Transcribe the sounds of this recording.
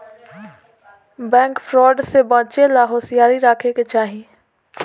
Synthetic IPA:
bɛ̃ːŋkpʰɾɔːɖsebãːt͡ʃelaːɦoːsɪjaːɾiɾaːkʰeket͡ʃaːɦi

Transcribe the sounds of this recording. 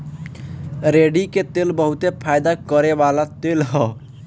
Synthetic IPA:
ɾeɖiket̪elbəɦut̪epʰajd̪akəɾebalat̪elɦɔ

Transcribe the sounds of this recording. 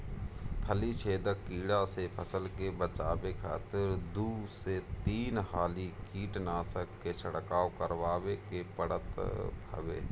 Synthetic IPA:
pʰəlit͡ʃʰeːd̪əkːiːɽasepʰəsəlkebət͡ʃaːbekʰa̰ːt̪ɪɾd̪uːset̪iːnhaːlikiːʈnaːsəkːet͡ʃʰəɽkaːokəɾwaːwekepəɽət̪bʱə̰ʋḛː

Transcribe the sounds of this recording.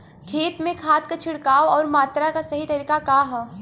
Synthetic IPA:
kʰeːt̪mẽkʰaːt̪kat͡ʃʰɪɽkaːoɔːɾmaːt̪ɾakasɐɦit̪ɐɾiːkakaɦɛː

